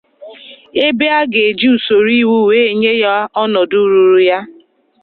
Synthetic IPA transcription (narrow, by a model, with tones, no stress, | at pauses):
e˦be˦a˦ɡe˨d͡ʒi˦u˨so˨ɾi˦wu˦˨weː˦e˦ɲe˦ja˦ɔ˦nɔ˨du˦ɾu˨ɾu˨ja˦